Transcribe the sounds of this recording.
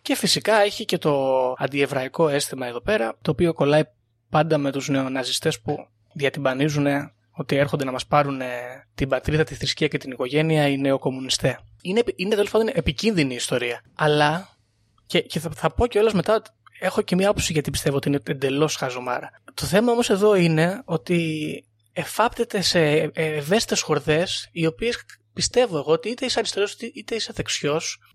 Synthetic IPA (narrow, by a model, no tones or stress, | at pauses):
ce̞fisikɐe̞çice̞t̪o̞ɐ̰nd̪ie̞vɾɐiko̞e̞st̪imɐe̞ðo̞pe̞ɾɐt̪o̞ːpio̞ko̞lɐi | pɐnd̪ɐme̞t̪uzne̞o̞nɐzist̪e̞spu | ðiɐt̪imbɐnizune̞ | o̞t̪ie̞ɾxod̪enɐmɐspɐɾunet̪ibɐt̪ɾiðɐt̪iθɾisciɐce̞t̪iniko̞ʝe̞niɐine̞o̞ko̞munist̪e̞ineineɐt̪elfand̪nepicinðiniːst̪o̞ɾiɐɐlɐ | ceceθɐpo̞ceo̞lɐzme̞t̪ɐo̞t̪i̥ | e̞xo̞ce̞mɲɐoppsiʝɐt̪ipi̥st̪evoo̞t̪iineend̪e̞lo̞sxɐzo̞mɐ̰ɾɐt̪o̞θe̞mɐomo̞se̞ðo̞ine̞o̞t̪i | efɐpt̪et̪e̞se̞ve̞st̪i̥t̪esxo̞ɾðe̞sio̞pie̞spist̪e̞vo̞eɣoot̪iit̪e̞iseɐɾist̪eɾo̞sot̪iit̪e̞iseðe̞ksço̞s